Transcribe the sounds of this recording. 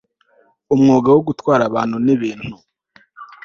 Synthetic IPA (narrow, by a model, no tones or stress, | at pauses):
umŋoːɡawoɡutwaːɾaβaːn̥huniβiːn̥hu